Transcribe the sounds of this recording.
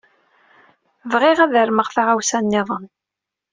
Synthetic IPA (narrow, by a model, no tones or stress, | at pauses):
vʁɪʁæðəɾməʁθaʁawsænːɪðˤən